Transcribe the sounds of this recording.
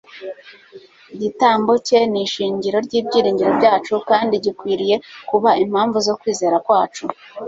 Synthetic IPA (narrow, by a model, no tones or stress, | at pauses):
iɟitaːmbo̞ce̞niʃiːɲɟiɾo̞ɾɟiːbɟiːɾiːɲɟiɾo̞bɟaːt͡ʃukaːndiɟikwiːɾije̞kuβaim̥haːɱvuzo̞kwiːze̞ːɾakwaːt͡ʃu